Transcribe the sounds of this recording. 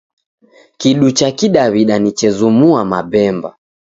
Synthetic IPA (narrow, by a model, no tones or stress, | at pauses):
kiɗut͡ʃakiɗaβiɗanit͡ʃɛzumuamaɓɛmba̰